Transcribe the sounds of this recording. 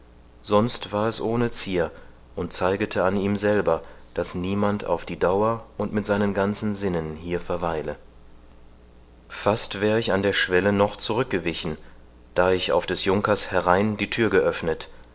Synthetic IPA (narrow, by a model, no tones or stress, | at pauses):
z̥ɔnstv̥aːɐɛsʔoːnət͡siːɐ | ʔʊnt̚t͡saɪɡətʰəaniːmzɛlbɐd̥asniːmantʰa̰ʊfd̥iːdaʊɐʊntmɪtz̥aɪnənɡant͡sn̩zɪnənhiːɐfɛɐvaɪlə | fastv̥ɛːʁəɪçandeːɐʃv̥ɛlənɔχt͡suʁ̞ʏk̚ɡ̥əvɪçn̩ | d̥aːɪça̰ʊfd̥ɛsjʊŋkɐshɛʁaɪndiːtʰyːɐɡəʔœfnət